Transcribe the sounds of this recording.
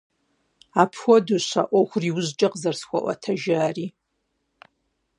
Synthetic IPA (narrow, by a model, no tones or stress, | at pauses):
aːpʰxʷɔdoɕʷa̰ʔʷɔxʷʊriwʊʑt͡ʃʼɐqzɐrsxʷɐ̰ʔʷɐ̰tʰɐʒaːriː